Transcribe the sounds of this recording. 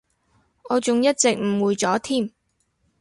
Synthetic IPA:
ɔː˨˧t͡sʊ˨ŋjɐ˥t̚t͡sɪ˨k̚m̩˨˩wuː˨˧jt͡sɔː˨˥t̪ʰiː˥˩m

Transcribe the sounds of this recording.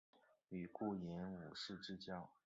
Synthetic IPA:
y˨˩ku˥˩ji˧˥nu˨˩ʂɻ̩˥˧ʈ͡ʂɻ̩˥t͡ɕjɑ˥ŋ

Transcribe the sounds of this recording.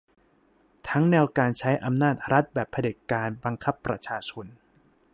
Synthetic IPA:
t̪ʰa˦˥ŋnɛː˧wkaː˧nt͡ɕʰa˦˥jʔa˧mnaː˥˩t̪̚ɾa˦˥t̪̚bɛː˨˩pʰːa˧de˨˩t̪̚kaː˧nba˧ŋkʰa˦˥pːɾa̰˧t͡ɕʰaː˧t͡ɕʰo˧n

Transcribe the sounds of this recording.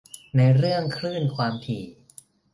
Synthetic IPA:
na˧jɾɯ˥˩əŋkʰɾɯː˥˩nkʰwaː˧mt̪ʰiː˨˩

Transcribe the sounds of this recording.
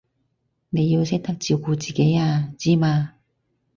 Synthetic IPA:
ne˨˧jːi˧wsɪ˥k̚t̪ɐ˥k̚t͡siː˧wkuː˧t͡siː˨ke˨˥jaː˧t͡siː˥maː˧

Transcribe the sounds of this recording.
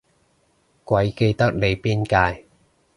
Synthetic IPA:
kwɐ˨˧˥jke˧jt̪ɐ˥k̚le˨˧jpiː˥nkaː˧j

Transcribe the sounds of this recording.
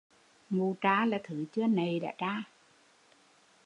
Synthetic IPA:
ŋu˨˩t͡ɕaː˧˩laː˨˩t̪ʰɨ˨˦t͡ɕɨ˧ənə˨˩jɗa̰ː˧˥t͡ɕaː˧˩

